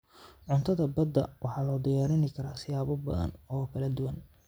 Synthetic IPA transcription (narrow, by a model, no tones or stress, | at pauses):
ʕʊnt̪ʰɐðɐbɐd̪ːɐ̰wʔɑħɑːlɔːd̪ɪjaːɾɪnɪkʰɐɾaːsɪjaːβɔbɐ̰ðɐ̰nɔːkʰɐlɐd̪ʊwɐn